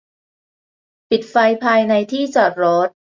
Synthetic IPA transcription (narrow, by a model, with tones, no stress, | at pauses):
pi˨˩t̪̚fa˧jpʰaː˧jna˧jt̪ʰiː˥˩t͡ɕaː˨˩t̚ɾɔː˦˥t̪̚